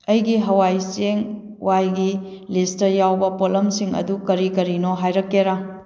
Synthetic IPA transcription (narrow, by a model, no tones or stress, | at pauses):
ɐjɡiɦɐwajseŋ | wajɡi | listɐjawbɐpolɐmsiŋɐ̰dukɐɾikɐɾinoɦajɾɐkːeɾa